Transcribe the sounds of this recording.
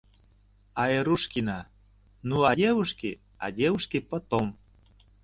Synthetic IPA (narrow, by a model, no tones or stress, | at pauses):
ɑeɾuʃkinɑ | nuɑdʲewuʃke | ɑ̰dʲewuʃkepə̆t̪om